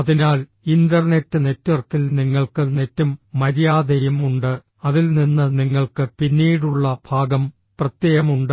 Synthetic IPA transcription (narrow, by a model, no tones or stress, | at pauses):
ɐðinaːl | ind̪ɐrne̞tːɨne̞tːʋɐrkilniŋːɐɭkɨne̞tːumːɐɾijaːd̪ʱɐɾjɐmuɳɖɨ | ɐðilninːɨniŋːɐɭkɨpinːiːɽuɭːɐbʱaːɡɐm | prɐt̪jeːɣɐmuɳɖɨ